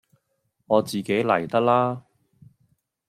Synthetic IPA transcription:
ŋɔː˨˧t͡siː˨ke˨˥jlɐ˨˩jt̪ɐ˥k̚laː˥

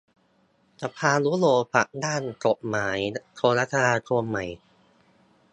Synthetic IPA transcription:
t͡ɕa˨˩pʰaː˧nlu˦˥loː˧pa˨˩k̚daː˥˩nko˨˩t̚maː˩˦jt̪ʰoː˧ɾa˦˥t̪ʰːa˧ɾaː˧t̪ʰu˧əmːa˨˩j

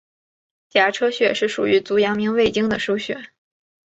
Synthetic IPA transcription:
t͡ɕja˧˥ʈ͡ʂʰɤ˥ɕɥɛ˥˧˩ʂɻ̩˥˩ʂṵ˨˩y˧˥t͡su˧˥jɑ˧˥ŋmi˧˥ŋwe˥˩ɪt͡ɕi˥ŋd̪ə˨ʂo˥ʊɕɥɛ̰˨˩˦

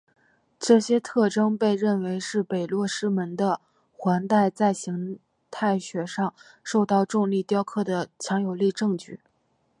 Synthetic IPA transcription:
ʈ͡ʂɤ˥˩ɕjɛ˥t̪ʰɤ˥˩ʈ͡ʂɤ˥ŋpe˥˧ɪɻə˥˩nwe˧˥ɪʂɻ̩˥˩pe˨˩ɪlwɔ˥˩ʂɻ̩˥mə˧˥nd̪ə˧ | xwa˧˥nt̪a˥˧ɪt͡sa˥˩ɪɕi˧˥ŋ | t̪ʰa˥˩ɪɕɥɛ˨˩ʂɑ˥˧ŋ | ʂo˥˧ʊt̪ɑ˥˧ʊʈ͡ʂʊ˥˧ŋli˥˩t̪jɑ˥ʊkʰɤ˥˩d̪ə˩t͡ɕʰjɑ˧˥ŋjo˨˩ʊli˥˧ʈ͡ʂɤ˥˧ŋt͡ɕy̰˥˩

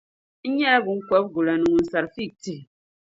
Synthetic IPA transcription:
ɲɛ˦ɡu˨ŋ̩˦kwɛ˦p̚ɡu˨la˨nu˨ŋ˨n̩˨sa˨ɾfi˦˨k̚ti˨

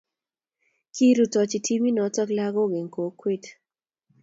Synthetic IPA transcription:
ki˦ɾu˨tɔ˨t͡ʃi˨tʰi˦mi˦nɔ˨˦tɔ˦kla˦ɡɔ˦ɡe˨ŋko˨kwe˦t

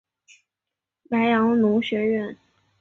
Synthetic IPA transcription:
pa˧˥ɪjɑ˧˥ŋnʊ˧˥ŋɕɥɛ˧˥ɥɛ˥˩n

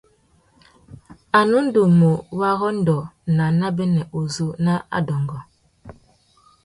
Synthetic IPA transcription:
a˨nu˦n̩˦do˨mo˨wa˦ɣɔ˦n̩˦dɔ˨na˨na˦bɛ˦nɛ˨ʔo˨zo˦na˦a̰˦dɔ˨ŋɡɔ˨

